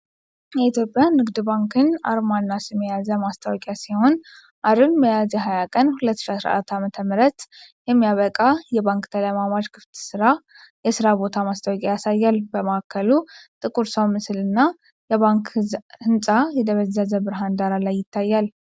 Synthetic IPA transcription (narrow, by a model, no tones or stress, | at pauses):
jɛit̪jopʼjanɨɡd̪ɨbaŋkʰɨna̰ɾmanːasɛmːəjazəmast̪ʰawɔkʼjasiho̞n | ʔaɾɨmbəjazjɛɦajakʼənhulət̪ːɨ̥ʃiasɾa̰ʔat̪ːamət̪ʰəmɨɾət̪jɛmːijaβəkʼajɛβaŋkt̪ʰələjmamad͡ʒkʰɨft̪ʰsɨɾa | jɛsɨɾabo̞t̪ʰamast̪ʰawɔkʼjajasajːalbəməkʰːəlut̪ʼɨkʼuɾsəwmɨsɨlɨnːa | jɛβaŋkhɨnsʼajɛd̪əβəzːazəbɨɾɦand̪aɾalajːɪt̪ʰːajːal